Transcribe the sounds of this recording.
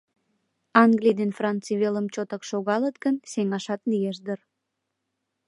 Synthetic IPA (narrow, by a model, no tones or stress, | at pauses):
ɑŋɡlijd̪enfrɑnt̪t͡siβeləmt͡ɕot̪əkʃoɣɑlət̪ɡənseŋɑʃɑt̪lijeʃd̪ər